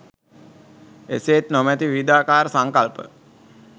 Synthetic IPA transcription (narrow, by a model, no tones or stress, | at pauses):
eseːt̪nomɛt̪iʋid̪aːkaːɾəsaŋkalpə̰